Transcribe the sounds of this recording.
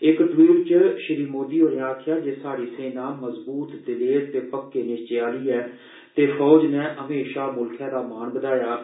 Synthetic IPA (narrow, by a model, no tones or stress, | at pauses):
ɪkɖɾiːlt͡ʃəʃɪɾiːmoːd̪iːɦoːɾaːkʰɪjaːd͡ʒeːsaːɾiːsẽːnãːməzbuːt̪d̪ɪleːɾt̪eːpəkːeːnɪst͡ʃjaːliːɛː | t̪eːfʰɔːd͡ʒneːʔəmeːʃaːmʊlkʰjãːd̪aːmaːnbəd̪aːjaː